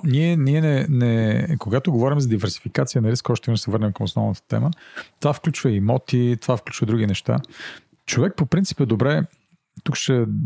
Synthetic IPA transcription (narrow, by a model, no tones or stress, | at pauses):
niɛniɛnɛnɛkoɡat̪oɡovɔɾimzɐd̪ivɛɾsi̥fikat̪sijənɐɾiskɔʃt̪ɛvinʊsɛvɤɾnɛmkəmosnɔ̰vnət̪ə̥t̪ɛ̰mət̪ovafklʲut͡ʃvəimɔt̪it̪ovafklʲut͡ʃvəd̪ɾuɡ̟inɛʃt̪a̰ | t͡ʃovɛk̚popɾint̪si̥pɛd̪obɾɛ | t̪ukʃɛ